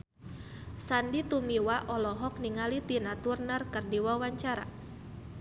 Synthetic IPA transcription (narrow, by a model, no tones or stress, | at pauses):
sandit̪umiwaʔɔlɔɦɔk̚niŋalit̪inat̪urnarkərdiwawaɲt͡ʃaɾa̰